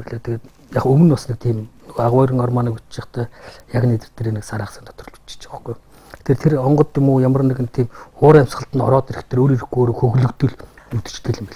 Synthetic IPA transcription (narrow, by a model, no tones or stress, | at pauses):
eɮet̪ʰeɣeːt̪ | jaχɵmɵ̆nɔsnik̚t̪ʰiːmnɵɣoaʁwaːɾĭŋɔrmɔːniːkut͡ɕt͡ɕɪ̆χt̪œːjaknet̪ɘ̥̆rt̪eːɾeːniksaɾaːχsə̆nt̪ʰɔ̥t̪ɞ̆rɮu̥t͡ɕt͡ɕɪ̥t͡ɕæ̥ə̆χɡ̥uj | t̪ʰeːrt̪ʰeɾɔɴɢɞ̆t̪jʊmuːjamə̆r̆nekɘ̆nt̪ʰiːmʊːɾæm̥ʲsχə̆ɬt̪ə̆nɔ̰ɾɔːt̪eɾɘ̆xt̪ʰeːɾoːɾiɾ̆xɡuoːɾoːxɵɣɮɵ̆kt̪ɵ̆ɮnut̪ɘ̥̆t͡ɕt̪ɡeɮɘ̆mpiɮ